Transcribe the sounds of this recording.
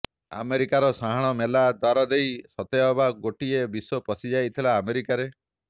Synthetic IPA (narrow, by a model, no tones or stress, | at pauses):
a̰meɾikaɾɔsaɦaɽ̃ɔmelad̪waɾɔd̪ejsɔt̪eɔbaɡoʈiebisopɔsid͡ʒajt̪ʰilaːmeɾikaɾe